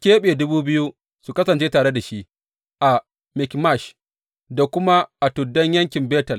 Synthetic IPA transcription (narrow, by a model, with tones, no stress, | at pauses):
kʲeː˦ɓe˨dʊ˦buː˦bɪ˦ju˦ | su˨kɐ˦sɐ˨nt͡ʃeː˦taː˨ɽe˦da˨ʃi˦ʔ | ʔa˨ | mɪ˨kma˦˨ʃ | da˨kʷʊ˦ma˦ʔa˨tʊ˨dːɐ˦ɲjɐ˦ŋkʲɪ˨mbeː˦tɐ˨l